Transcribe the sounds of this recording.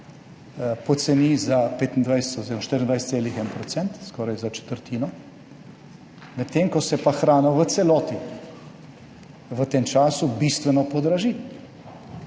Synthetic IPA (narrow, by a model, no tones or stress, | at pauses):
pɔt̪sɛniːzapeːt̪ind̪ʋajsɛ̥t̪oziɾɔmaʃt̪iɾind̪ʋajst̪seːlixɛnpɾɔt̪sɛnt̪skɔːɾajzat͡ʃɛ̥t̪əɾt̪ʰiːnɔ | mɛtt̪ːeŋkɔsɛpaxɾaːnawʋət̪sɛlɔːt̪i | ʋət̪eːmt͡ʃaːsubist̪ʋɛnɔpɔd̪ɾaʒi